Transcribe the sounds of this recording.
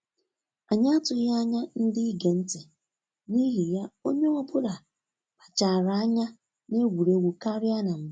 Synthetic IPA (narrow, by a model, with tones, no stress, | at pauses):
a˨ɲa˦a˦tʊ˨ja˦ɲa˦n̩˦di˦ɡe˨n̩˦te˨ | ni˦ɦi˨ja˦o˦ɲe˦ɔ˦bʊ˦ɾa˨ | k͡pa˨t͡ʃa˨ɾa˨a˦ɲa˦ | ne˦ɡʷu˨ɾe˦ɡʷu˨ka˦ɾɪ˦a˦na˨m̩˨˦